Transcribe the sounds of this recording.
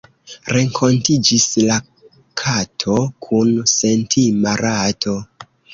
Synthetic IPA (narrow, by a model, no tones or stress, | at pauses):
ɾe̞ŋkʰo̞ntid͡ʒisla | kʰatʰo̞kʰunse̞ntʰimaɾʔatʰo̞